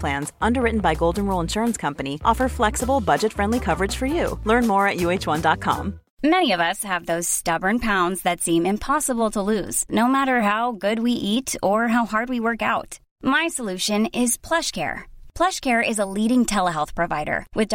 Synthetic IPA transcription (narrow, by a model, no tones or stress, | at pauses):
pʰl̥æ̃nzʔʌ̃ndə˞ɹɪʔn̩baɪɡoʊlˠdⁿn̩ɹulˠə̃nʃʊɹə̃nskʰʌ̃mpɨniʔɔfə˞flɛksəbl̩ˠbʌd͡ʒɨtfɹɛ̃ndˡlikʰʌvə˞ɨd̥ʒ̥fə˞jʉlɜ̃˞nmɔɹɨʔ̚jʉeɪt͡ʃwʌ̃ndɑt̚kʰɑ̰̃m | mɛñiʌvʌshɨvðoʊz̥stʌbə˞npʰãʊ̃ndzðɨtsĩmɨ̃mpʰɑsəbl̩ˠtʰəlʉz̥noʊmæɾə˞ɦaʊɡʊd̚wiʔiɾə˞ɦaʊɦɑɹd̚wiwɜ˞kaʊt | maɪsəlʉʃɨ̃nɪz̥pʰl̥ʌʃkʰɛ̰ɹpʰl̥ʌʃkʰɛɹʔɪzəliɾɪ̃ŋtʰɛlˠəɦɛlˠθpʰɹ̥ɨvaɪɾə̰˞wɨð